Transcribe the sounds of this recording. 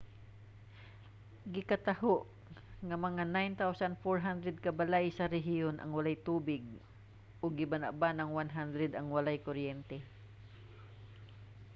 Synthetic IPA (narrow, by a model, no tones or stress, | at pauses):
ɡɪkɐt̪ɐhoʔ | ŋɐmɐŋanajnt̪awsand̪foɹɦand̪ɾɛd̪̚kɐbalajsɐɾɛɦɪjonʔɐ̰ŋwɐlajt̪uːbɪɡ̚ | ʔʊɡɪbanaʔbanɐŋwanɦand̪ɾɛd̪ɐŋwɐlajkoɾjɛnt̪ɛ